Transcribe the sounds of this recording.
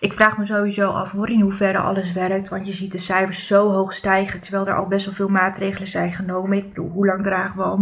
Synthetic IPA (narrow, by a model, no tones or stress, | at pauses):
ʔɪkfraːχməzowɦizowʔɑ̰fʋʊrɪnɦuvɛɹdə̰ɑ̰lˠəs̬ʋɛrk̚tʋɑntjəzit̚dəsɛjfəɹsːowɦowxstɛjχəntəɹʋɛɪlˠdɛ̰ɹʔɑ̰lˠbɛsəlˠvɪːlˠmaːtrejχələnzɛjnχənowmənɪɡ̚bədṵlˠɦulɑŋdraːχənʋəɔlˠ